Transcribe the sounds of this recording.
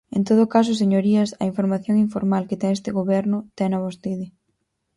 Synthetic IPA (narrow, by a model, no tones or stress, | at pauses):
ḛnt̪oð̞ʊkas̬ʊseɲoɾiɐsɐ̰iɱfoɾmaθjoŋiɱfoɾmalkɪt̪ɛŋest̪ɪɣoβɛɾnʊt̪ɛnɐβɔst̪iðɪ